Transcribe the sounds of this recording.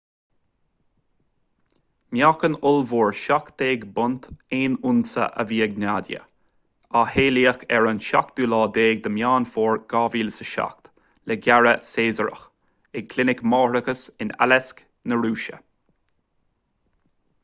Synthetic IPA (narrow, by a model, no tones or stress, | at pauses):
mjakənʊlvuːɹʃakt̪eːɡbʊnt̪eːnʊnsə̰ʔə̰viːəɡ̚naːd̪ʲjə̰ | aheːliːəxɛɹənʃa̰k̚d̪̥uːlɑːd̪eːɡ̚d̪əmjaːnfoːɹɡ̥ɑːviːlsəʃa̰kt̪ | lɛɡaɹəseːzəɾə̰x | ɪkʰlɪnɪkmɑːɾəkəsɪna̰lɛsk | nəɹuːʃə̰